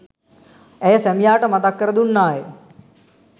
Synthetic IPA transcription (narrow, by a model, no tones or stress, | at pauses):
ɛjsɛmjaːʈəmɐt̪akːəɾəd̪unːaːje